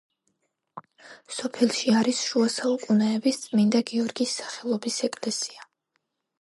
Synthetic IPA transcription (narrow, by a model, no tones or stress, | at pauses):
sɔpʰɛlˠʃiaɾisʃuasaukʼunɛɛbist̪sʼmind̪aɡiɔɾɡisːḁχɛlˠɔbisɛkʼlɛsia